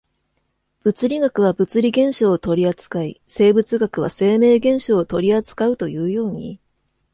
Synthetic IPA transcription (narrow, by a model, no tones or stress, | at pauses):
b̥ɯ̟t͡sɨɾʲiɡakɯ̟β̞abɯ̟t͡sɨɾʲiɡẽ̞ɰ̃ɕoːt̪o̞ɾʲiat͡sɨ̥kaise̞ːbɯ̟t͡sɨɡakɯ̟β̞a̰se̞ːme̞ːɡẽ̞ɰ̃ɕo̞ːt̪o̞ɾʲiat͡sɨ̥kaɯ̟t̪o̞jɯ̟ːjo̞ːɲ̟ḭ